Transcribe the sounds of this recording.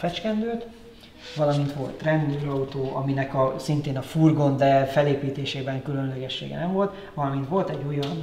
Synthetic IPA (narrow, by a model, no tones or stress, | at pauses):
fɛt͡ʃkɛnd̪øːt̪ | ʋɒlɒmint̪ʋo̞̰lt̪rɛnd̪øːɾɒut̪oːʔɒ̰minɛkɒsint̪eːnɒfurɡo̞nd̪ɛlfɛleːpiːt̪eːʃeːbɛŋkylø̞nlɛɡɛʃːḛːɡɛ̰nɛɱvo̞lt̪ | ʋɒlɒmint̪ʋo̞lt̪ɛɟːojɒn